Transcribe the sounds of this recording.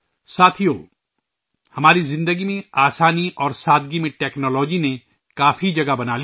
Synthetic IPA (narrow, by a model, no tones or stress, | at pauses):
saːt̪ʰijoː | hɐmaːɾizɪ̃nd̪əɡimẽaːsaːniʔɔːɾsaːd̪ɡimẽʈɛːknɔːlɔːd͡ʒinẽ | kaːfʰid͡ʒɐɡabɐnaːli